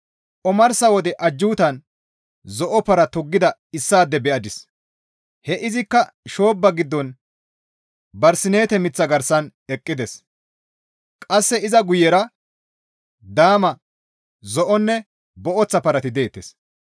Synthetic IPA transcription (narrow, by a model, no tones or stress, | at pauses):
ʔɔmɐɾsɐwɔd̪ɛʔɐd͡ʒːuːt̪ɐn | zɔʔɔpɐɾɐt̪ʊɡːɪd̪ɐɪsːaːd̪ːɛbɛʔɐd̪ɪs | hɛʔɪzɪkːɐʃo̞ːbːɐɡɪd̪ːɔn | bɐɾsɪne̞ːt̪ɛmɪt͡sːɐɡɐɾsɐnɛkʼːɪd̪ɛs | kʼɐsːɛɪzɐɡʊjɛɾɐ | d̪aːmɐ | zɔʔɔnːɛ | bɔʔɔt͡sːɐpɐɾɐt̪ɪd̪eːt̪ːes